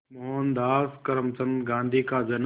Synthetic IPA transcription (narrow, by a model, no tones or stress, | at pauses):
moːnd̪aːskəɾəmsʰənɡãːnd̪ʱiːkaːd͡ʒɐn